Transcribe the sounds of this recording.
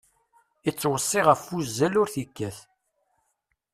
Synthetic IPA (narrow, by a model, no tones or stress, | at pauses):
it͡sːwəsˤːiʁəfːuzːælʊɾθikːæθ